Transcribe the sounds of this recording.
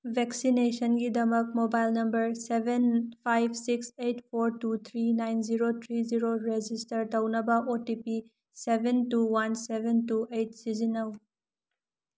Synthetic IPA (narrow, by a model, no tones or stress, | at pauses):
bʱeksinesɐnɡidɐmɐk̚mobajlnɐmbɐɾsebʱenpʰajbʱsiksejtpʰoɾtut̪ʰɾinajnziɾot̪ʰɾiziɾoɾed͡ʒistɐɾtɐwnɐbɐʔotipi | sebʱentuwansebʱentuejt̚sizinɐw